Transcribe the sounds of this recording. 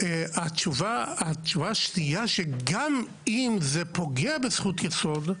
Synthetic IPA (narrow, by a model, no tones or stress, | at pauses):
eat͡ʃuvaat͡ʃuvaʃnijaʃeɡam | imzepo̞ɡeabesχut̪jeso̞d̪